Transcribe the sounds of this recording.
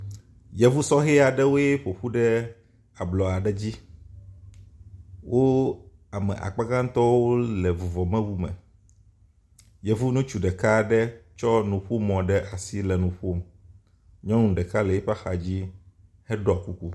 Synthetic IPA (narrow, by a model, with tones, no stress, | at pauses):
jɛ˨vu˦sɔ˦ɦɛ˦a˨ɖɛ˦wo˦e˦ɸo˨ɸu˦ɖɛ˦ | a˨blɔ˨a˨ɖɛ˦d͡ʑi˦ | wʔo˦ | a˨mɛ̰˨ʔa̰˨k͡pa˦ɡã˦ŋ˦t̪ɔ˦wo˦lɛ˨vu˨vɔ˨mɛ̃˦wu˦mɛ̰˨ | jɛ˨vu˦nũ˦t͡ʃu˨ɖɛ˨ka˦ɖɛ˦t͡ʃɔ˦nũ˨ɸu˦mɔ̃˨ɖɛ˦ʔa˨si˦lɛ˨nũ˨ɸo˦m | ɲɔ̃˦nũ˨ɖɛ˨ka˦lɛ˨jɛ˦ɸa˦xa˨d͡ʑi˦ | hɛ˦ɖɔ˦a˨ku˦ku˦